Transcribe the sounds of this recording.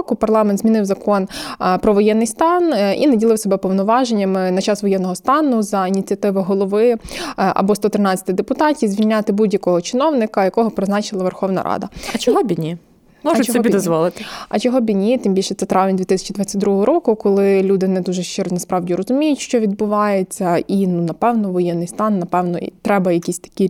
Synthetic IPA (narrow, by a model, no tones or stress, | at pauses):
kʊpɐrlˠɑmɛnt̪zmʲinɪwzɐkɔnpɾɔʋɔjɛnːɪjst̪ɑnḭnɐdʲilˠɪwsɔbɛpɔwnɔʋɑʒenʲːɐmɪnɐt͡ʃɑsʋɔjɛnːɔɦɔst̪ɑnʊzɐinʲit͡sʲiɐt̪ɪʋɐɦɔlˠɔʋɪʔɐ̰bɔst̪ɔt̪ɾɪnɑt͡sʲːɐ̥t̪ɪd̪epʊt̪ɑtʲizʲʋʲilʲnʲat̪ɪbudʲjɐkɔɦɔt͡ʃɪnɔwnɪkɐjɐkɔɦɔpɾɪznɑt͡ʃɪlˠɐʋerxɔʋnɐ̰ɾʔɑ̰d̪ɐ̰t͡ʃɔɦɔbʲinʲi | mɔʒʊt͡ʃɔsɔɔbid̪ɔzzʋɔlˠɪt̪ɪɐt͡ʃɔɦɔbʲinʲit̪ɪmbʲilʲʃɛt̪sɛt̪ɾɑʋnʲd̪ʲit̪ɪsʲɐ̥t͡ʃid̪ʋɑt͡sʲːɐt̚ʲd̪ɾuɦɔɦɔɾɔkʊkɔlˠɪlʲud̪ɪnɛd̪uʒɛʃt͡ʃɪnɐspɾɑʋdʲiɾɔzʊmʲijʊtʲʃt͡ʃɔʋʲid̪̚bʊʋɑjet͡sʲːɐʔinunɐpɛwnɔʋɔjɛnːɪjst̪ɑnːɐpɛwnɔt̪ɾɛbɐjɐkʲisʲt̪ɐ̥kʲi